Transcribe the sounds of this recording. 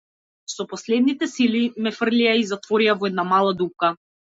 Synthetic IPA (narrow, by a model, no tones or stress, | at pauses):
sɔpɔslɛd̪nit̪ɛsilimɛfr̩liaizat̪vɔɾiavɔɛd̪namalˠad̪up̚ka